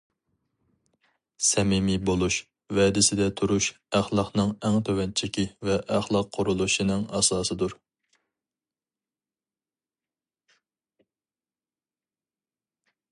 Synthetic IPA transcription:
sɛmɪmibolˠuʃ | vɛd̪ɪsɪd̪ɛt̪ʰuɾuʃ | æχlˠɑχnɨŋɛŋt̪ʰøwɛnt͡ʃʰɪkʲivɛʔæχlˠɑqʰːʊɾulˠuʃinɨŋɑsɑːsɨd̪uɾ

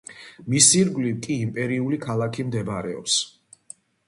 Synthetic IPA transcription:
misiɾɡlivkʼiːmpʼɛɾiulikʰalˠakʰimd̪ɛbaɾɛɔ̰ps

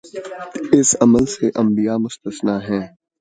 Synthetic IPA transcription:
ɪsɐməlseʔɐ̃mbijamʊst̪əsnaɦɛ̃ː

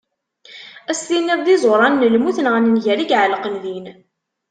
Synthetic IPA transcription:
æstinːəððizˤoɾˤɑnːəlmuθənʁənənʝæɾiɡʕələqənðin

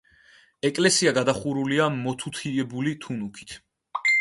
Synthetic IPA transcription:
ɛkʼlɛsiaɡad̪aχuɾuliamɔt̪ʰut̪ʰiɛbulit̪ʰunukʰi̥t̪ʰ

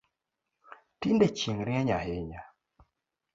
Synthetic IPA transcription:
tindɛt͡ʃiŋɾiaɲaheɲa

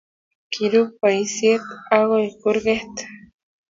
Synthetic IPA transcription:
kiɾupaisjet̪aɣoikuɾɣeht̪

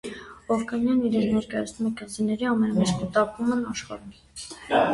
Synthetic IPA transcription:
ɔvkɑnjɑniɾɛnnɛɾkɑjɑ̰t͡sʰnumɛkənzinːɛɾiɑmɛnɑmɛt͡ʃkət̪ɑpumənɑʃχɑ̰ɾu

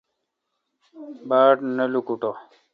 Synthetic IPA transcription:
baːʈnɐlukuʈo

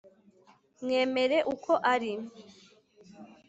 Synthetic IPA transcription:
mŋeːme̞ɾe̞ʔukʰo̞ʔaɾim

